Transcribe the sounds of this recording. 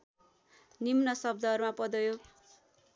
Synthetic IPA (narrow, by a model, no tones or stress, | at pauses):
nimnʌsʌb̚d̪ʌːrmapʌd̪ʌjo